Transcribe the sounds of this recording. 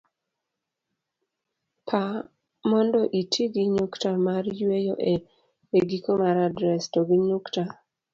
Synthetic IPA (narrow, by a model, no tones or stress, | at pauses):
pʰa | mɔndɔʔitʰiɡiɲuktamarjwejoʔe | eɡikomaɾadɾɛstɔɡiɲukta